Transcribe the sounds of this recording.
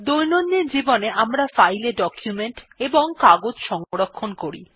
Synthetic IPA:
d̪ojnonːeɾd͡ʑiboneamɾafajleɖɔkjumeɳʈeboŋkaɡod͡ʑʃɔŋoɾokʰːonkoɾḭ

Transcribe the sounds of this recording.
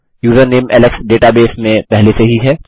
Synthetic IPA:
juːzəɾneːmɛ̰ːləksɖeːʈabeːsmẽpɛɦleseɦiɦɛː

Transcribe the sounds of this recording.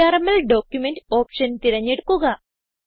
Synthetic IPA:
aːɾɐmɐlɖoːkjumeɳʈoːpʂɐnt̪iɾɐɲːeɽukːuɣɐ

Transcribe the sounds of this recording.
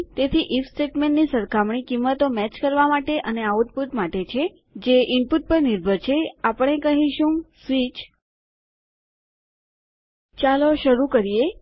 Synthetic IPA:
t̪et̪ʰiʔifsʈeʈmẽɳʈnisəɾkʰamɳikimːət̪omɛt͡ʃkəɾʋamaʈeʔəneaut̪̚put̪maʈet͡ʃʰe | d͡ʒeʔɪmpuʈ̚pəɾniɾbʱəɾt͡ʃʰeapəɳ̃ekəɦiʃũsʋit͡ʃ | t͡ʃaloʃəɾukəɾije

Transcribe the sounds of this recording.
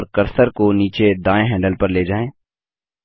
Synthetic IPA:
ɾkɐɾsəɾkoniːt͡ʃed̪aːẽɦɛ̃ːɳɖəlpɐɾleːd͡ʒaːẽː

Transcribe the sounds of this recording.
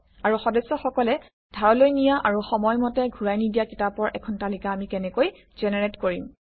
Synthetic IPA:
aɹuxɔdɛsːɔxɔkɔlɛ | dʱaɹɔlojnijaʔaɹuxɔmɔjmɔtɛɡʱuɹajnidijakitapɔɹʔɛkʰɔntalikaːmikɛnɛkoj | z̥ɛnɛɹetkoɹim

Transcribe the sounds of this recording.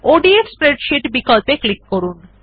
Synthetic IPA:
oɖiespɾeɖʃiʈbikolpeklikːoɾun

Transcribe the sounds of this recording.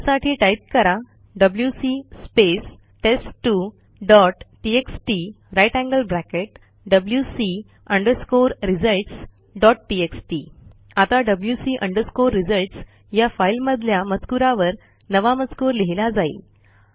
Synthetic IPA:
saʈʰiːʈaip̚kəɾa | ɖəbljusispes | ʈesʈːu | ɖɔʈʈieksʈi | ɾajʈæ̃ŋɡəlbɾækeʈ̚ | ɖəbljusi | əɳɖəɾskoɾɾid͡zəlʈs | ɖɔʈ̚ʈieksʈi | at̪aɖəbljusiːʔəɳɖəɾskoɾːid͡zəlʈs | jafajilməd̪ʱljamət͡skuɾaʋəɾ | nəʋamət͡skoɾleɦilad͡zaḭ

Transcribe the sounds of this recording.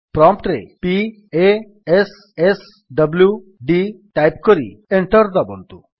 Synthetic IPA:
pɾɔmp̚ʈɾḛpi | e | es | es | ɖəblju | ɖiʈajpkɔɾḭeɳʈɔɾd̪ɔbɔ̰nt̪u

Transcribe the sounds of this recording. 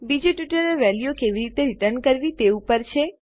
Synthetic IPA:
bid͡ʒoʈʋiʈəɾeʋɛljokeʋiɾit̪eɾiʈəɾnkəɾʋit̪eupəɾt͡ʃʰe

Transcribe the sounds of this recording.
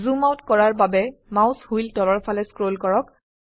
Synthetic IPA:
zumawtkɔɹaɹbabɛmawshujltɔlɔɹpʰalɛskɹolkɔɹɔk

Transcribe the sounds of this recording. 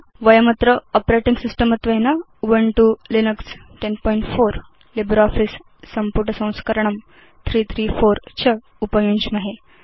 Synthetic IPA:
ʋəjəmɐt̪ɾəɔpɾeʈiŋɡsisʈəmət̪ʋena | uʋəɳʈulinəksʈenpɔjiɳʈfoɾ | libɾɔfisː | ɐmpuʈ̬əsɐ̃w̃skəɾəɳɐm | t̪ʰɾiːt̪ʰɾiːfoɾt͡ɕʰə | upəjuɲd͡ʑmɐɦe

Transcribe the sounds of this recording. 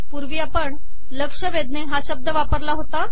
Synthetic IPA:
puɾʋiapəɳ | ləkʂəʋed̪neɦaɕəb̚d̪ʱəʋapəɾlaɦot̪a

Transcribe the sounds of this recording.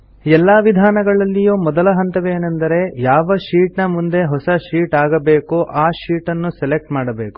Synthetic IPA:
ɛlːaːʋid̪ʱaːnɐɡɐɭɐlːijuːmɔd̪ɐlɐɦɐnt̪ɐʋeːnɐnd̪ɐɾe̞jaːʋɐʃiːʈnɐmund̪e̞ɦɔsɐʃiːʈaːɡɐbeːkuʔaːʃiːʈɐnːusɛlek̚ʈmaːɽɐbeːku̥

